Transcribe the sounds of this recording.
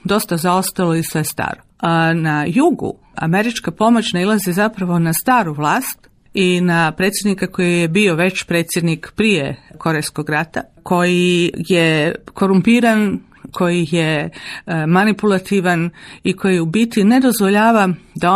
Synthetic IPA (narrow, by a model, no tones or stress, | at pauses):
d̪o̞st̪azaost̪alˠo̞isʋe̞st̪a̰ːɾonajuɡṵ | a̰me̞ɾit͡ʃkapo̞mot͡ʃnailˠazizapɾaʋo̞nast̪aːɾuʋlˠaːst̪ | inapɾe̞t̪sje̞d̪nikako̞jijebio̞ʋe̞t͡ɕpɾe̞ːt̪sje̞d̪nikpɾijeko̞ɾejsko̞ɡɾat̪a | ko̞jijeko̞ɾumpiːɾan | kʰo̞jije | manipulˠat̪iʋaniko̞jiubit̪ine̞d̪o̞zʋo̞ʎaːʋad̪ao